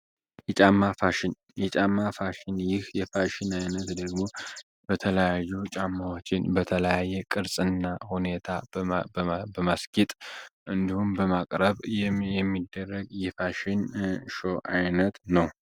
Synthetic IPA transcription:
jɛt͡ʃʼamːafaʃɪn | jɛt͡ʃʼamːafaʃɪnjɪhjɛfaʃɪnajnət̪d̪əɡmo̞ | bət̪ʰələjajːut͡ʃʼamːawo̞t͡ʃːɪnbət̪ʰələjajːɛkʼɨɾsʼɨnːahune̞t̪ʰa | bəmaskit̪ʼʔɨnd̪ihumbəmakʼɾəβɛmːid̪ːərːəɡjɛfaʃɪnʃo̞ʔajnət̪nəw

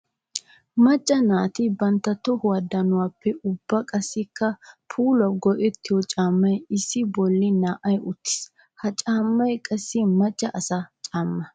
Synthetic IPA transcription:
mɐt͡ʃʼːɐnaːt̪ibɐnt̪ːɐt̪ːɔhʊwɐd̪ːɐnʊwaːpːɛʔʊbːɐkʼɐsːɪkːɐpʰuːlwɐpɡɔʔɛt̪ːɪjɔt͡ʃʼaːmːɐjɪsːɪbɔlːɪnaːʔɐjʔʊt̪ːɪ̥s | hɐt͡ʃʼaːmːɐjkʼɐsːɪmɐt͡ʃʼːɐʔɐsɐt͡ʃʼaːmːɐ

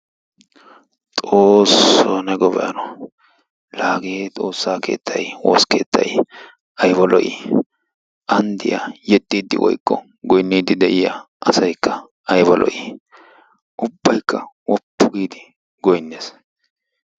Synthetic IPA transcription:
t̪ʼoːsːonɛɡɔbɛʔɐ̰nɔ | laːɡet̪ʼo̞ːsːaːke̞̰ːt̪ʰːɐjwɔ̰skeːt̪ʰːɐ̰j | ɐjbɐlɔʔḭ | ʔɐnd̪ɪja̰jɛd̪ːiːd̪ːɪ̰wʔɔ̰jkːɔ | ɡɔjnːiːd̪ɪd̪ɛʔɪja̰ | ʔɐsɐjkːɐ | ɐjbɐlʔɔ̰ʔi | ʔʊbːɐjkːɐwɔpːʊɡiːd̪ɪ | ɡɔjnːeːs

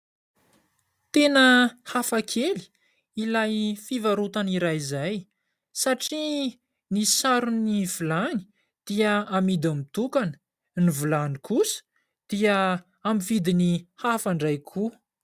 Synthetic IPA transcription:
t̪enəhafakʰeli̥ | ilajfivaɾut̪aniɾajzaj | saʈ͡ʂi | nisaɾunivulani̥ | d̪̥iəamid̪amit̪ukanə̥ | nivulanikʰusə̥ | d̪̥iə | amifid̪inihafaɳɖ͡ʐajkʰu

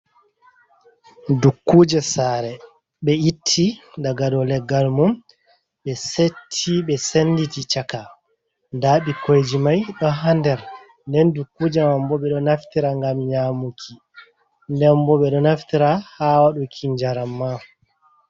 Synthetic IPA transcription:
dukːuːd͡ʒɛsaːɾɛ | ɓɛitʰːidaɡadɔlɛɡːalmun | ɓɛsetʰːiɓɛsenditit͡ʃaka | ndaːɓikojd͡ʒimajɗɔɦandɛɾ | ndɛndukːuːd͡ʒɛmambɔɓɛɗɔnaftiɾaŋɡamɲaːmukʰi | ndɛmbɔɓɛɗɔnaftiɾahaːwaɗukʰiɲd͡ʒaɾamːa

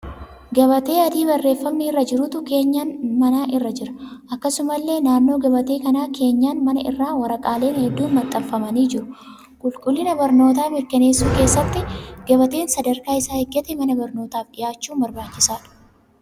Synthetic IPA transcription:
ɡɐβɐt̪e̞ːɐd̪iːbɐrːe̞ːfːɐmːirːɐd͡ʒɪɾʊt̪ʊke̞ːɲːaːnmɐnaːʔɪrːɐd͡ʒɪɾɐ̥ʔɐkːɐsʊmɐlːe̞ːnaːnːo̞ːɡɐbɐt̪eːkɐnaːkʰe̞ːɲːaːnmɐnɐ̰ɪ̰rːaːwɐɾɐkʼaːle̞ːnhɛd̪ːuːnmɐt̪ʼːɐffɐmɐniːd͡ʒɪɾʊ | kʼʊlkʼʊlːɪnɐbɐɾno̞ːt̪aːmɪɾkɐne̞ːsːuːke̞ːsːɐt̪ːɪɡ̥ɐbɐt̪e̞ːnsɐd̪ɐɾkaːɪsaːhɛɡːɐt̪ɛmɐnɐbɐɾnoːt̪aːfɗɪjaːt͡ʃːuːbɐɾbaːt͡ʃːɪsaːᶑ̥

